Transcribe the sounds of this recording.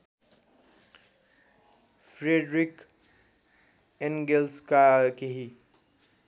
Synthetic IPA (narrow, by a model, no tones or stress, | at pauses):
pʰɾeɖɾik | eŋɡelskakeɦi